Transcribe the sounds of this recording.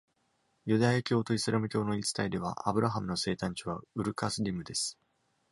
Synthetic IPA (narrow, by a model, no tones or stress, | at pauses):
jɯ̟d̪ajakʲo̞ːt̪o̞isɨɾemɯ̟kʲo̞ːno̞it͡sɨ̥t̪aid̪e̞β̞a̰ʔabɯ̟ɾaɦamɯ̟no̞se̞ːt̪ãɲ̟t͡ɕiβaɯ̟ɾɯ̟kasɨɾʲimɯ̟d̪e̞sɨ̥